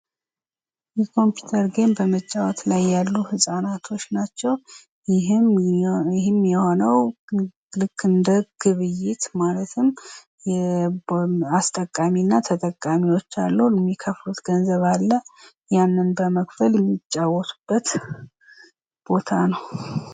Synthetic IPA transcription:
jɛkʰo̞mpju̥t̪ʰəɾɡe̞mbəmət͡ʃʼːawɔt̪lajːalːuhɨsʼanat̪ʰo̞t͡ʃːnat͡ʃːɛw | jɪɦmɪɦɪmjɛho̞nəw | lɨkʰːɨnd̪əɡ̥ɨβɨjːɪt̪malət̪ʰɨm | jɛ | ast̪ʼəkʼːaminːat̪ʰət̪ʼəkʼːamiwot͡ʃːa̰lːəjɛmːikʰəflut̪ɡ̥ənzəβalːə | janːɨnbəməkfəljɛmːit͡ʃʼːawɔt̪ʰu̥b̥ːət̪ | b̥o̞t̪ʰanəw

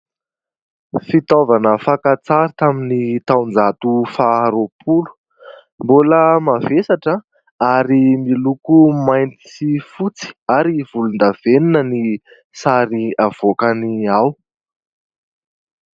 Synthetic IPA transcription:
fit̪ovanəfakat͡saɾit̪aminit̪awnd͡zat̪ufaɾopʰulu̥ | mbuləmavesaʈ͡ʂə | aɾimilukumajnt̪i̥sifut͡si̥aɾiv̥ulund̪av̥eninəni | saɾiav̥okaniaw

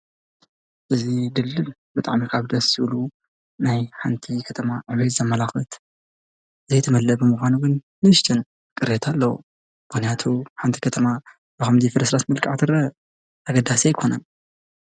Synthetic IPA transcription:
ʔɨzid̪ɨlːɨlbɨt̪ʼa̰ʕmikʰaβd̪ɐsɨβlu | najħant̪ʰikʰɐt̪ʰɐmaʕɨβet̪zɐmːɐlaxɨt̪ | ɨzejt̪ʰɐmɐlːɐbɨmuxʷanuɡɨnːɨɨʃt̪ʰʼɨn | kʼɨɾet̪ʰalːɐwṵ | b̥ɨxnjat̪ʰuħant̪ʰi̥kʰɐt̪ʰɐma | bɨxɐmd̪ifɨɾɐsɾasmɨlkʼaʕt̪ʰɨɾɐ | aɡɐd̪asejkʰo̞nɐn

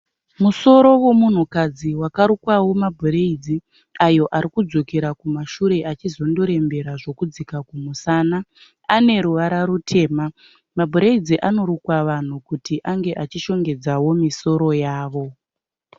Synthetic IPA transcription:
muso̞ɾo̞wo̞mun̤ukad͡ziwakaɾukwawo̞mabʱoɾe̞id͡zi | ajo̞ʔaɾikud͡zo̞keɾakumaʃuɾe̞ʔat͡ʃizo̞ndo̞ɾe̞mbe̞ɾaʐo̞kud͡zikakumusana | ane̞ɾuʋaɾaɾutʰe̞ːma | mabʱoɾeid͡ziʔano̞ɾukwaʋan̤ukutiʔaŋɡe̞ʔat͡ʃiʃo̞ŋɡe̞d͡zawo̞miso̞ɾo̞jaːʋo̞

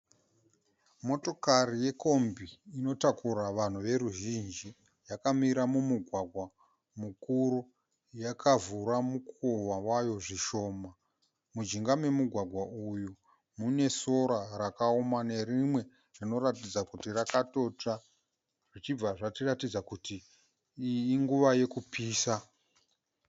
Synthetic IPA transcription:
mo̞to̞karije̞ko̞mbiːno̞takuraʋan̤uʋe̞ɾuʒind͡ʒi | jakamiɾamumuɡʱwaɡʱwa | mukuɾu | jakʰavuɾamukowawajo̞ʐiʃo̞ːma | mud͡ʒiŋɡame̞muɡʱwaɡʱwaʔuju | mune̞so̞ɾaɾakaomane̞ɾimwe̞ | ʐino̞ɾatid͡zakutirakato̞ta | ʐit͡ʃib͡vaʐatiratid͡zakuti | ŋɡuʋaje̞kupiːsa

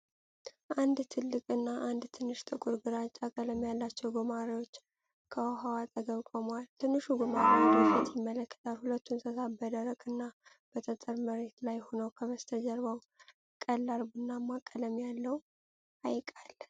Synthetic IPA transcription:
ʔand̪t̪ʰɨlːɨkʼɨnːaʔand̪t̪ʰɨnːɨʃt̪ʼɨkʼuɾɡɨɾat͡ʃʼːakʼələmjalːat͡ʃːɛwɡomaɾiwo̞t͡ʃː | kʰəwaɦawat̪ʼəɡəβkʷʼomwalt̪ʰɨnːɨʃuɡomaɾiəfit̪jɪmːələkːə̥t̪ʰalhulət̪ːunsʰəsabəd̪əɾəkʼɨnːa | b̥ət̪ʰət̪ʼəɾməɾe̞t̪lajho̞nəwkʰəβəst̪ʰəd͡ʒəɾβaw | kʼəlːaɾbɨnːamːakʼːələmjalːəw | ʔajkʼalː

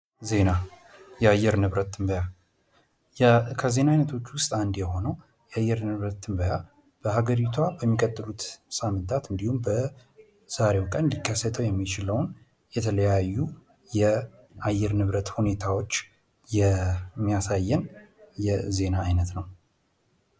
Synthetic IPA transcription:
ze̞na | jɛajːɛɾnɨβɾət̪ːɨmbəja | jkʰəze̞naajnət̪ʰo̞t͡ʃːwʊst̪ʼand̪jɛho̞nəw | jɛajːɛɾnɨβɾət̪ːɨmbəja | b̥əhaɡəɾit̪ʰwabəmːikʼət̪ʼːɨlut̪samːɨnt̪ʰʼat̪ɨnd̪ihumbə | z̥aɾe̞wkʼənlikːəsət̪ʰəwjɛmːit͡ʃɪləwn | jɛt̪ʰələjajːu | jɛ | ʔajːɛɾnɨβɾət̪hune̞t̪ʰawot͡ʃː | jɛmːijasajːɛnjɛze̞naːjnət̪nəw

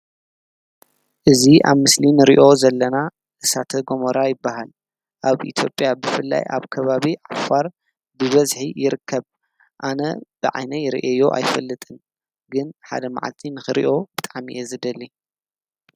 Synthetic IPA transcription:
ʔɨziʔa̰βmɨslinɨɾiʔo̞zɐlːɐna | ʔɨsat̪ʰɐɡomoɾajɪbːaɦal | ʔaβʔḭt̪ʰjo̞pʼjabɨfɨlːa̰jʔa̰βkʰɐβaβiʕafaɾ | bɨβɐzħijɪɾɨkʰːɐβ | ʔanɐ̰b̥ɨʕa̰jnɐjɪɾḭʔɐjːoʔa̰jfɐlːɨt̪ʼɨn | ɡɨnħa̰d̪ɐma̰ʕa̰lt̪ʰinɨxɨɾḭʔo̞bɨt̪ʼaʕmḭʔezɨd̪ɐlːi

